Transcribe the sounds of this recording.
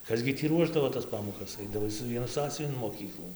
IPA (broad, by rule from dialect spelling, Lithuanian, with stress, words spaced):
ˈkɐs ɡʲɪ tʲiː ˈruɔʒdɐʋoː tɐs ˈpɑːmoːkɐs ˈɐɪdɐʋɐɪ sʊ ˈʋʲiɛnʊ ˈsɑːsʲʊʋʲɪn ɪn moːˈkʲiːklˠuː